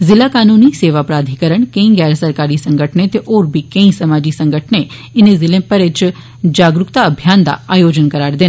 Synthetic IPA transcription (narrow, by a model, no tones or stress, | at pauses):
zɪlakanuniseʋapɾad̪ʱikəɾəɳkẽĩɡɛɾəsəɾkaɾisə̃ŋɡəʈʰnet̪eʔoɾbikẽĩsəmad͡ʒisə̃ŋɡəʈʰne | enezɪlẽpəɾet͡ʃ | d͡ʒaɡɾʊkt̪aəbʱjand̪a̰ajod͡ʒənkəɾaɾd̪e